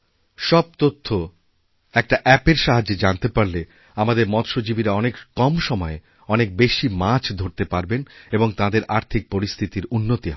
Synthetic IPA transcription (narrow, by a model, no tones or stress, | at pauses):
ʃɔb̚t̪ot̪ʰːo | ɛk̚ʈaʔɛpeɾʃaɦad͡ʑːed͡ʑant̪epaɾle | amad̪eɾmɔt̪ʃod͡ʑibiɾaɔnekkɔmʃɔmɔe | ɔnek̚beʃimat͡ɕʰd̪ʱoɾt̪epaɾbeneboŋt̪ãd̪eɾʔaɾt̪ʰik̚poɾist̪ʰit̪iɾunːot̪iɦ